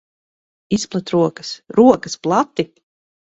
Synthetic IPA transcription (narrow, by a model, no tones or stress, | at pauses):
isplˠat̪ɾuɔkɐ̥sɾuɔkɐsplˠat̪ːi